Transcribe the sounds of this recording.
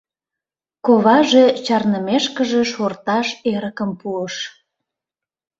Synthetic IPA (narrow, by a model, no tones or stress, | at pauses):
koβɑʒet͡ɕɑrnəmeʃkəʒeʃort̪ɑʃeɾəkəmpuəʃ